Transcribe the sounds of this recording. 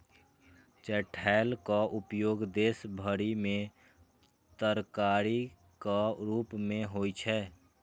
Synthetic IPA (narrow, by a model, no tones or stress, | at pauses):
t͡ʃɛʈʰɛɪlkaʔʊpjoːɡd̪esbʱəɾimẽ | t̪əɾkaɾi | kaɾuːpmẽɦoit͡ʃʰɛ